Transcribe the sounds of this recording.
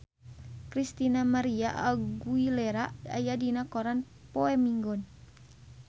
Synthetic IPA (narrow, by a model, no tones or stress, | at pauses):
kɾist̪inamaɾiaʔaɡuilɛɾaa̰jadinakɔɾan | pɔɛmiŋɡɔn